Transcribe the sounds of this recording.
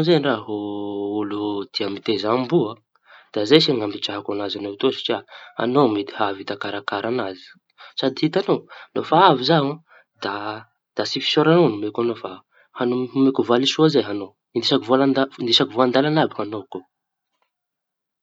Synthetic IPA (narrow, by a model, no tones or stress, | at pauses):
zenraɦoulud̪̥iamit̪ezambua | d̪̥azejsiŋambiʈ͡ʂaɦakanazanot̪osi̥ʈ͡ʂiaa̰nomit̪i̥havit̪akaɾakaɾanazi̥ | sad̪ihit̪anonofaavizawã | d̪̥a | d̪̥asifi̥soɾanonumekanofa | hanumekuvalisuazeɦano | inisakuvolanind̪isakuvoand̪alanabiŋanoko